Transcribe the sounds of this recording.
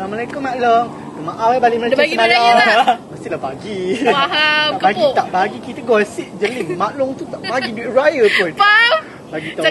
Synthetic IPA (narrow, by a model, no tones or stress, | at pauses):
məlajkəmaʔləm | domaʔawabaliməlajkasənalaməst̪ilabaɡi | aʔbaɡit̪aʔbaɡikit̪əɡɔlsiʔd͡ʒəlɪŋmãlʊŋt̪ut̪aʔbaɡidiʔrajəpʊn | baɡit̪a